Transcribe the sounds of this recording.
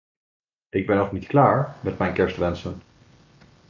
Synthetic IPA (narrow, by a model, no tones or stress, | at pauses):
ʔɪɡ̚bɛnɔχnitklaːɹmɛtmɛjnkɛɹstʋɛnsən